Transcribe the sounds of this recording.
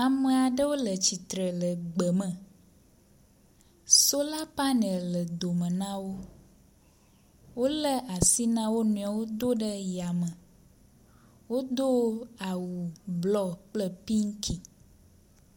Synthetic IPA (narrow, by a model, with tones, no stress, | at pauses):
a˨mə̃˨a˨ɖə˦wo˦lə˨t͡ɕi˨t̪ɾə˨lə˨ɡ͡bə˨mə̃˨ | so˦la˦pa˦nɛ˨llə˨d̪o˨mə̃˨nã˦wo˦ | wo˦lə˦ʔa˨si˦nã˦wo˦nũ˨a˨wo˦d̪o˦ɖə˦ja˨mə̃˨ | wo˦d̪o˦a˨wu˨blɔ˦k͡plə˦pi˦ŋ̩˦kʰi˨